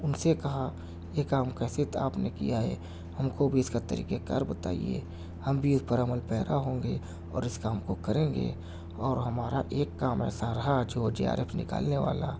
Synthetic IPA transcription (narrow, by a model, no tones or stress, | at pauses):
ʊnsekɐɦa | jekaːmkɛːset̪aːpnekḭjaɦɛ̰ː | hɐmkobʱiɪskat̪əɾḭːkekəɾbət̪aːḭjḛ | hɐmbʱiɪspəɾəməlpɛːɾaɦõːŋɡe | ɔ̰ːɾɪskaːmkokəɾẽːŋ̆ɡḛ | ɔːɾɦɐmaːɾaʔeːkːaːmɛ̰ːsaɾɐɦad͡ʒoːd͡ʒḛːa̰ːɾʔeːpnɪ̰ka̰ːlneʋa̰ːla